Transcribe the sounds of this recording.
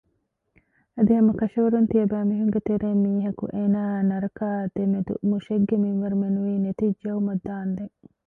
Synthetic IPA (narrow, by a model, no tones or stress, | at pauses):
ɐd̪iɦɐmɐkɐʃɐʋɐɾunt̪iɐbæːmiɦuŋɡet̪eɾeːmːiːɦɐkṵʔeːnaːnɐɾɐkaːd̪̥emed̪ṵmuʃeɡːemiŋʋɐɾumenuʋiːnet̪id͡ʒɐwumɐd̪ːaːnd̪eŋ